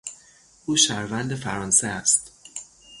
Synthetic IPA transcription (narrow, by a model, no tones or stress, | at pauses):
ʔuːʃæɾvænd̪efæɾɒnseæst̪